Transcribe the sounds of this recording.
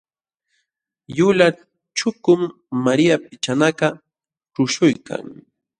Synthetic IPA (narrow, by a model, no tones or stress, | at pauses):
jʊla | t͡ʃʊkʊmː | aɾɪjap̚ɪt͡ʃanakɑ | ʈ͡ʂʊʃʊjkʰa̰ŋ